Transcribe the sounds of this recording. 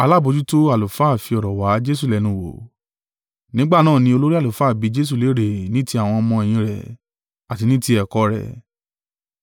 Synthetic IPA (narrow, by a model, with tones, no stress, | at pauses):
a˧la˦˨bo˨˧d͡ʒu˦to˦a˨lo˨fa˦˨fi˧ɔ˨ɾɔ˨wa˨˦d͡ʒe˦s̬u˦˨lɛ˨˧nũ˨˧wo̰˨ | nĩ˦ɡ͡ba˦˨nãː˦˨nĩ˧o˧lo˦ɾi˦a˦˨o˨fa˦˨bi˨˧˦d͡ʒe˦s̬u˦˨le˨˦ɾe˨nĩ˨˦ti˦a˨w̃ɔ̃˧mɔ̃˧ɛ˨j̃ĩ˧ɾɛ̰˨ | a˨ti˧nĩ˦ti˦ɛ˨kɔ˨˧ɾɛ̰˨